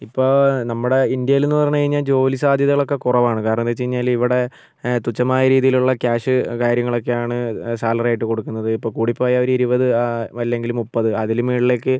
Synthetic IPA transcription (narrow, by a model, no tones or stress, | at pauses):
ipːo̞ːnɐmːuɽe̞ind̪jɐjilenːɨpɐrɐɲːukɐɻiɲːaːld͡ʑo̞ːlisaːd̪ʱjɐðɐɣɐɭo̞kːe̞kurɐʋaːɳɨkaːɾɐɳɐmt̪ːet͡ɕːejiɲːaːliʋiɽe̞ | t̪ut͡ɕːɐmaːjɐɾiːðijiluɭːɐkaːʂɨkaːɾjɐŋːɐɭo̞k̬ːe̞jaːɳɨsaːlɐraːjiʈːɨko̞ɽukːunːɐðɨipːoːkuːɽipːoːjɐoɾuiɾubɐðɨʋɐlːe̞ŋɡilumupːɐðɨɐðilumʋiːɽile̞ːkːɨ